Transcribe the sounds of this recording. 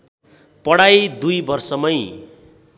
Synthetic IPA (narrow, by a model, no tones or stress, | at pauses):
pʌɽajd̪ujbʌrsʌmʌj